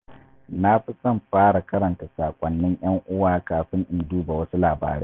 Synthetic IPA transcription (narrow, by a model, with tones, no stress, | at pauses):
na˦ɸi˦sɐ˦˨mɸaː˦ɽa˨kɐ˦ɾɐ˨nta˨saː˨kʷʼɐ˨nːɪ˦ɲj̰ɐ˦ŋʔʊ˦waː˦˨kaː˨ɸɪ˦ŋʔɪ˨nduː˦ba˨wɐ˦su˦laː˨ba̰ː˨ɾḛː˦